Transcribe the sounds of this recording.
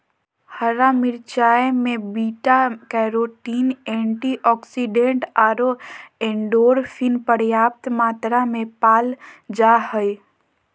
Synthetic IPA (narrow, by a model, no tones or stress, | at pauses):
həɾamɪɾt͡ʃaːemẽbiːʈakɛɾoʈiːnẽːɳʈiʔɔːksiɖẽɳʈaːɾoẽːɳɖoːɾpʰinpəɾjaːp̚t̪maːt̪ɾamẽpaːld͡ʒahəj